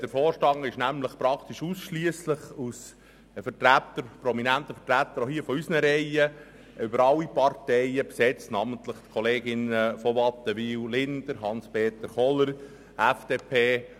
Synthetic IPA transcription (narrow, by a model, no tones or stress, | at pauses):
d̥əɾfɔːɾʃtɑŋəɪʃnæmləχpɾɑkʰt̪iʃuːsʃliəsləχus | fətɾæt̪əɾpɾɔminænt̪əfətɾæt̪əɾohiːəfɔysnəɾɛɪə | ʏbəɾɑlːipɑɾtɛɪəpsɛt͡stnɑmənt̪ləχt̪kʰɔleːɡɪnəfɔʋɑt̪ːəʋiːwlɪnd̪̥əɾɦɑnspeːt̪əɾχɔləɾ | æfd̥̪eːpʰeː